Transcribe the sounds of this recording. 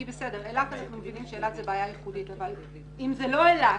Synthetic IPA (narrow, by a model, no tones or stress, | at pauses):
ibesede̞ʁelatanaχnumevinimʃeelatzebaːjajeχuditaval | imzelo̞ela